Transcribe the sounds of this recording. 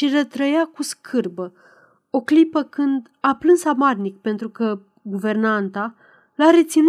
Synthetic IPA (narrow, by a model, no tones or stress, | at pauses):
ʃirət̪ɾəjakuskʰɨrbə | o̞klipəkɨnd̪ | aplɨnsamarnik̚pe̞nt̪ɾukə | ɡuve̞rnant̪a | laɾe̞t̪sin